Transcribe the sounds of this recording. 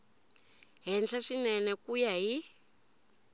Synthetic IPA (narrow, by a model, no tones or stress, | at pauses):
ɦɛnd͡ɮʰaʂinɛnɛkujaɦi